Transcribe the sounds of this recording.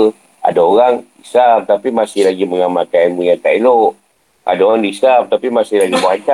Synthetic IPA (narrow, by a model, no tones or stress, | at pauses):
a̰daoɾaŋisamt̪apimasɪhlaɡiməŋamakanmuɲakailoʔ | ʔa̰daoɣaŋdisamt̪apimasɪhlaɡiməaɲt͡ʃa